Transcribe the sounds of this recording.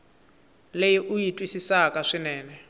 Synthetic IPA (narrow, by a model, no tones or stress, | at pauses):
lejiʔujitʼwisisakʼaʂinɛːnɛ